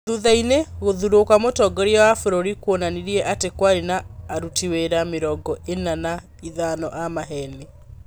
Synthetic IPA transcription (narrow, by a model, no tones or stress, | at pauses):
ðuðaineɣoðuɾokwamotɔɡɔɾiawafoɾoɾikwonaniɾiɛʔatekwaɾinaːɾutiweɾameɾɔɡɔenana | iðanɔʔamaɦɛne